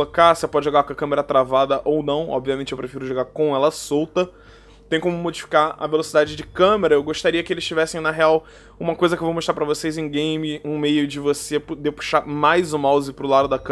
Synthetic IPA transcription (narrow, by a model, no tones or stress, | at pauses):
okasɪepɔd͡ʒɪʒoɡakõɐkɐ̃meɾɐt̪ɾavad̪ɐʔownɐ̃w̃ɔ̰bviɐmẽnt͡ʃɪewpɾefiɾʊʒoɡaɾkõɛlɐsowt̪ɐ | t̪ẽj̃kõmʊmod͡ʒifi̥kaɐ̰velosid̪ad͡ʒɪd͡ʒɪkɐ̃meɾɐewɡoʃt̪aɾiɐkɪelɪz̥ʃt͡ʃivɛsẽj̃nɐɦeaw | ũmɐkojzɐkewvowmoʃt̪ɾapɾɐvosejzẽj̃ɡẽj̃mɪũmejʊd͡ʒɪvosepd̪epu̥ʃamajzʊ̃mawzɪpɾʊlad̪ʊd̪ɐk